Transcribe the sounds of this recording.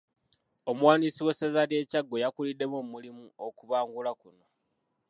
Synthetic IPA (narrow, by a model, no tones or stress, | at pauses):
omwaːnisiwe̞sezalje̞ːcaɡːo̞jakulidːe̞momulimuo̞kuβaːŋɡulakuno̞